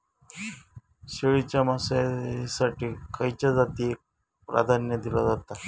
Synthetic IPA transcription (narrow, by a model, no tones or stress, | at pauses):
ɕeɭit͡ɕamasasaʈiːkajt͡ɕad͡zat̪iek̚ | pɾa̰d̪ʱanjəd̪ilad͡zat̪a